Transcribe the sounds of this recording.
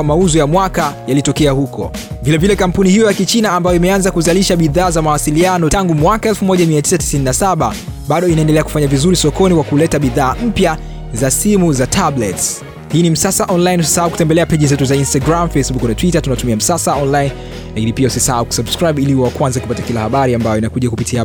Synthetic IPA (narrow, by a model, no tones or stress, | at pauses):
mauzɔjamwakajalitɔkɛahukʰɔ̰vilɛvilɛkam̩punihijɔjakit͡ʃinaːmbajɔimɛanzakuzaliʃaɓiðaːzamawasilianɔtaŋɡumwakaɛlfumɔʄamiati̥sati̥sininasaɓa | ɓaɗɔinaɛndɛlɛaku̥faɲavizuɾisɔkɔnikwakulɛtaɓiðaːm̩pja | zasimuzatʰablɛts | hiːnim̩sasaʔɔnlainusisahauku̥tɛmbɛlɛapɛʄizɛtuzainstaɡɾamfejsbuknatwitatunatumiam̩sasaɔnlain | lakinipiausisahauku̥sabskɾajɓiliiɔwakwanzaku̥patakilahaɓaɾiambajɔinakuʄakupitia